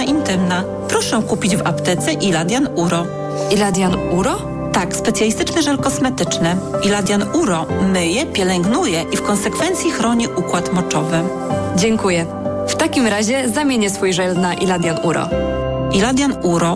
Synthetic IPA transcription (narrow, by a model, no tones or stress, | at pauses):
aʔint̪ɘmna | pɾɔʂɛkupʲid͡ʑva̰pt̪ɛt̪sɛʔilad̪ʲjanuɾɔ | ilad̪ʲjanuɾɔ | t̪akspɛt̪sʲjalʲist̪ɘt͡ʂnɛʐɛlkɔsmɛt̪ɘt͡ʂnɛilad̪ʲjanuɾɔmɘjɛpʲjɛlɛŋɡnujɛʔifkɔnsɛkfɛnt̪sʲjixɾɔɲiʔukwat̪mɔt͡ʂɔvɘ | d͡ʑɛŋkujɛ | ft̪akʲimɾaʑɛzamʲjeɲɛsfujʐɛld̪naʔilad̪januɾɔ̰ilad̪ʲjanuɾɔ